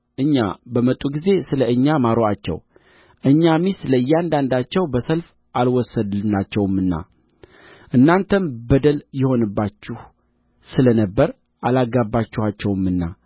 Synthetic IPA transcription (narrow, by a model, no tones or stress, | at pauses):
ʔɨɲːa̰bəmət̪ʼːuɡize̞sɨləɨɲːamaɾoat͡ʃːɛ̰w | ʔɨɲːamisɨləjːɛand̪and̪at͡ʃːɛwbəsəlf | ʔalwɔsːəd̪ɨnat͡ʃːɛwmɨnːa̰ | ʔɨnːant̪ʰənbəd̪əljɛho̞nɨbːat͡ʃːuh | sɨlənəbːəɾ | ʔalaɡabːat͡ʃːuhat͡ʃːɛwɨmːɨnːa̰